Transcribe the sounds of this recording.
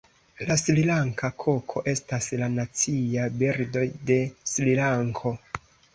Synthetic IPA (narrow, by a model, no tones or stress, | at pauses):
laslilaŋkakʰo̞kʰo̞ʔe̞staslanat͡siabeɾdo̞jde̞slilaŋkʰo̞